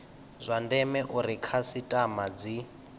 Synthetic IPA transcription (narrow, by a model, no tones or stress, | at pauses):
zʷandɛmɛʔuɾikʰasitʼamad͡zi